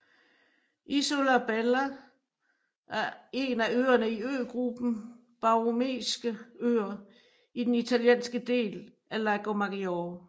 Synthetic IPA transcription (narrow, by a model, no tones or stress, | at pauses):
ʔisolæb̥elæ | ʔæɐe̝ːnæøːɐnəiø̰ːɡ̥ʁub̥n̩ | b̥ɑ̈ʁomḛːsɡ̥əø̰ːɐ | id̥enit͡sʰæljḛːnsɡ̥əd̥e̝̰ːl | ælæɡ̥omɑɡ̥ioː